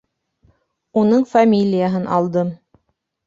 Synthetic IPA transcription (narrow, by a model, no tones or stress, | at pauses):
unɤɴfamʲilʲɪjaɦɤnʔɑlˠd̪ɤm